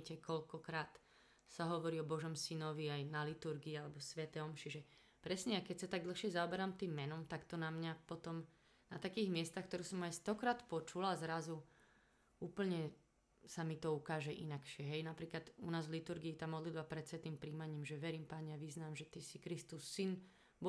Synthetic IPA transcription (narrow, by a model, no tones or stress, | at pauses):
cɛkɔʎkɔkɾaːt̪ | saɦɔʋɔɾiːɔbɔʒɔmsinɔʋiajnalit̪uɾɡiːalɛbɔsʋɛt̪ɛɔmʃiʒɛ | pɾɛsɲɛakɛcsat̪aɡ̚d̪l̩xʃɪɛzaɔbɛɾamt̪iːmːɛnɔmt̪akt̪ɔnamɲapɔt̪ɔm | nat̪akiːɣmɪɛst̪axk̚t̪ɔɾuːsɔmajst̪ɔkɾaːt̪pɔt͡ʃulazɾazu | uːpl̩ɲɛ | samit̪ɔukaːʒɛʔḭnakʃɪɛɦɛjnapɾiːklad̪unaːzlit̪uɾɡiːt̪aːmɔd̪lid̪bapɾɛt̪sʋɛt̪iːmpɾiːmaɲiːmʒɛʋɛɾiːmpaɲɛaʋiznaːmʒɛt̪isikɾist̪usːin | bɔ